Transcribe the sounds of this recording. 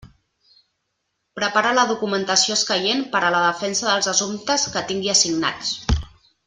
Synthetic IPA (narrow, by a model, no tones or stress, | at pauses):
pɾəpaɾaləðukumənt̪əsioəskəjenpəɾələðəfɛnsəðəlˠzəsumt̪əskət̪iŋɡiəsiɡna̰t͡s